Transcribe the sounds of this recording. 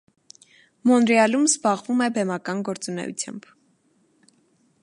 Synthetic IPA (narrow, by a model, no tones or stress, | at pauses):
mɔnɾɛɑlumzbɑʁvumɛbɛmɑkɑnɡɔɾt͡sunɛ̰jṵt͡sʰjɑ̰mb̥